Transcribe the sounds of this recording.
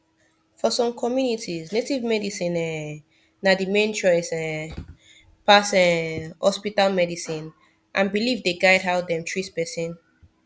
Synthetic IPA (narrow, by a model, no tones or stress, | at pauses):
fɔsɔ̃mkʰɔmjunitiznetivmɛdisĩnɛ | nadimẽnt͡ʃɔɪsɛ | pasɛhɔspitalmɛdisĩn | ʔãnbilivdeɡaɪdɦaʊt̚dɛ̃mtʰɹispɛsĩn